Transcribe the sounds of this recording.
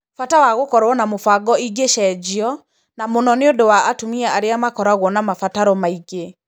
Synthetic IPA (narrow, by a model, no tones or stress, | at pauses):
fatawaɣokɔɾwɔnamofaɡɔiɡeʃɛːd͡ʑiɔ | namonɔneondowaːtomiaaɾeamakɔɾaɣwɔnamafataɾɔmaiɡe